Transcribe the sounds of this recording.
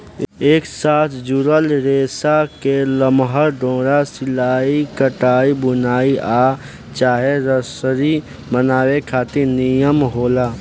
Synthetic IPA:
eːksaːt̪ʰd͡ʒuɾəlɾeːsakeləmɦəɾɖõːɾasɪlaːikəʈaːibʊnaːiʔaː | t͡ʃaːɦeɾəsəɾi | mənaːwekʰaːt̪inijəmɦoːlaː

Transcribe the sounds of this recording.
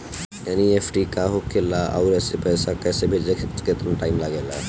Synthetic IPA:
anieːfʰʈikaɦokelaa̰ːɾɛːsepɛːsakɛːsebʱed͡ʒ̪ekʰkket̪nʈaːɪmlaɡeːla̰

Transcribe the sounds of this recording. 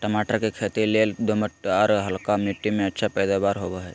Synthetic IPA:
ʈəmaːʈəɾkekʰet̪ileld̪oməʈːaɾɦəlkamjuʈːimẽətːʃʰapəjd̪abaːɾɦobəɦɛ

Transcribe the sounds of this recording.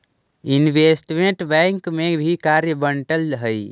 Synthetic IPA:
inʋesʈmẽɳʈbɛ̃ŋkmebʱikaɾjəbəɳʈəlɦəi

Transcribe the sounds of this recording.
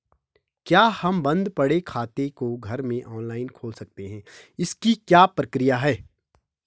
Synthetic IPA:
kjaːhɐmbɐ̃nd̪pɐɽekʰaːt̪ekoɡʱɐɾmẽʔɔːnlaːɪnkʰoːlsɐk̚t̪eɦɛ̃ːɪskikjaːpɾɐkɾɪjaɦɛː

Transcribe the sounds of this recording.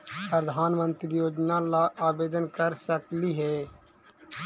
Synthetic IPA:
pɾəd̪ʱaːnmə̃nt̪ɾijoːd͡ʒnalaʔaːbeːd̪ənkəɾsəkliɦɛː

